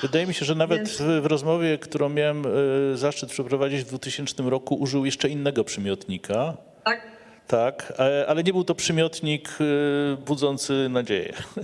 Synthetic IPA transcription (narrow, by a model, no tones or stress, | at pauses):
vɘd̪ajɛmʲiɕɛʐɛnavɛt̪vɾɔzmɔvʲjɛkt̪uɾɔ̃w̃mʲjawɛmzaʂt͡ʂɘt̪pʂɛpɾɔvad͡ʑid͡ʑvd̪vut̪ɘɕɛnt͡ʂnɘmɾɔkuʔuʐɘwjɛʂt͡ʂɛinːɛɡɔpʂɛmʲjɔt̪ɲikʰa | t̪akalɛɲɛbɘwt̪ɔpʂɛmʲjɔt̪ɲik | bud̪zɔnt̪sɘnad͡ʑḛjɛ̰